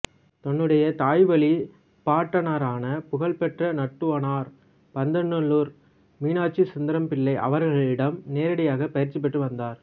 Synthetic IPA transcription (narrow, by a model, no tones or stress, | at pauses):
t̪ɔɳːɯɽɐjɐt̪aːjʋɐɭi | paːʈːɐnaːɾaːnɐpʊɣɐɭpɛʈrɐnɐʈːɯʋɐnaːɾ | pɐnd̪ɐɳːɯɭːuːɾ | miːnaːt͡ʃːisɐnd̪ɐɾɐmpɪɭːɐɪʔɐ̰ʋɐɾɣɐɭɪɽɐmneːɾɐɽɐjaːɣɐpɐjɪɾt͡ʃip̬ːɛʈːrɯʋɐnd̪aːɾ